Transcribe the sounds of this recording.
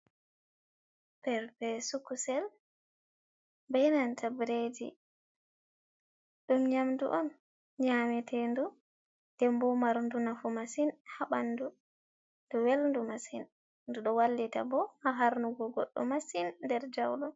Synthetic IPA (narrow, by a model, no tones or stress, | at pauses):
pɛɾbɛsukusɛl | bɛjnantʰabɾed͡ʒḭ | ɗumɲamdṵʔɔn | ɲamɛtʰɛndu | d̥ɛmbɔmaɾndunafumasinhaɓanːdu | ddɔwelndumasin | nduɗɔwalːita̰bɔhaɦaɾnuɡɔɡɔɗːɔ̰masinːdɛɾd͡ʒawlum